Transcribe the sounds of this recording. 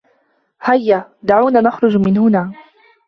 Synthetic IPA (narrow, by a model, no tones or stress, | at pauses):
hajːad̪aʕuːnaːnaxɾˤʊd͡ʒmɪnhʊnaː